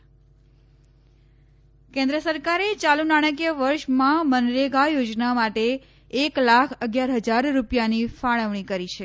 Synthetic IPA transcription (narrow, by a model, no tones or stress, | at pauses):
kẽnd̪ɾəsəɾkaɾet͡ʃalunaɽ̃əkjəʋəɾʃmãmənɾeɡajod͡ʒnamaʈeː | klakʰəɡjaɾɦəd͡ʒaɾːupjanifaɭəʋɳ̃ikəɾit͡ʃʰe